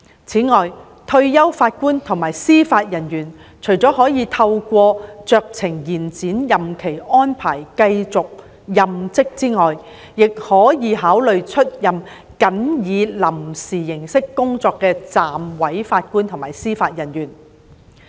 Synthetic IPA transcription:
t͡sʰiː˨˥ŋɔː˨j | t̪ʰɵ˧ɥjɐ˥wfaː˧t̚kuː˥nt̪ʰʊ˨˩ŋmaː˨˩jsiː˥faː˧t̚jɐ˨˩njyː˨˩n | t͡ʃʰɵ˨˩ɥt͡sɔː˨˥ɦɔː˨˥jiː˨˧t̪ʰɐ˧wkʷɔː˧t͡sœː˧k̚t͡sʰɪ˨˩ŋjiː˨˩nt͡siː˨˥njɐ˨mkʰe˨˩jɔː˥npʰaː˨˩jkɐ˧jt͡sʊ˨k̚ | jɐ˨mt͡sɪ˥k̚t͡siː˥ŋɔː˨j | jɪ˨k̚hɔː˨˥jiː˨˧ɦaː˨˥wlɵ˨ɥt͡ʃʰɵ˥t̚jɐ˨m | kɐ˨˥njiː˨˧lɐ˨˩msiː˨˩jɪ˨˩ŋsɪ˥kːʊ˥ŋt͡sɔː˧kːɛː˧t͡saː˨mwɐ˨˥jfaː˧t̚kuː˥nt̪ʰʊ˨˩ŋmaː˨˩jsiː˥faː˧t̚jɐ˨˩njyː˨˩n

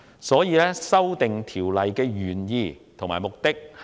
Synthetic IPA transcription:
sɔː˨˥jiː˨˧lɛː˥sɐ˥wt̪ɪ˨ŋt̪ʰiː˨˩wlɐ˨jkɛː˧ɥyː˨˩njiː˧t̪ʰo˨˩ŋmaː˨˩jmʊ˨k̚t̪ɪ˥k̚h

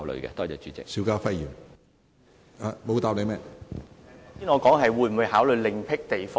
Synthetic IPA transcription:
wlə̰˨ɥkɛ̰˧t̪ɔː˥t͡sɛː˨˧˩t͡ʃyː˨˧˥t͡sɪ̰˨ksiː˨˥wkaː˧˥fɐ˥jjiː˨˩m | a˨˧mo˨˧t̪aː˨˧p̚le˨˧jmɛː˥˨ | iː˧˥nŋɔː˨˧kɔː˨˥ŋɦɐ˨jwuː˨˧jm̩˨u˨˧jhaː˨˥wlɵ˨˩jlɪ˨˩ŋpʰɪ˥k̚t̪e˨˩jfɔː˥

